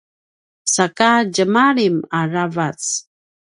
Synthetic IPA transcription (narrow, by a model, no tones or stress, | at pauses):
sakaɟəmaɾimaravat͡s